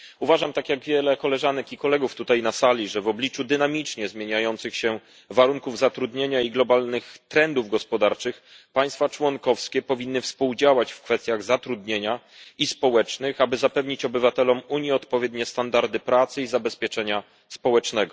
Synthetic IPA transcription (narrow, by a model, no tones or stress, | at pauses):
uvaʐamt̪akʲjaɡvʲjɛlɛkɔlɛʐanɛkikɔlɛɡuft̪ut̪ajnasalʲiʐɛvɔblʲit͡ʂud̪ɘnamʲit͡ʂɲɛzmʲjeɲajɔnt̪sɘxɕɛ | vaɾuŋkuvzat̪ɾud̪ɲeɲaiɡlɔbalnɘxt̪ɾɛnd̪uvɡɔspɔd̪aɾt͡ʂɘxpaj̃st̪fat͡ʂwɔŋkɔfskʲɛpɔvʲinːɘfspuwd͡ʑawat͡ɕfkfɛst̪ʲjaɣzat̪ɾud̪ɲeɲa | ispɔwɛt͡ʂnɘxabɘzapɛvɲit͡ɕɔbɘvat̪ɛlɔmuɲjɛɔt̪pɔvʲjɛd̪ɲɛst̪and̪aɾd̪ɘpɾat̪sɘizabɛspʲjɛt͡ʂɛɲa | spɔwɛt͡ʂnɛɡɔ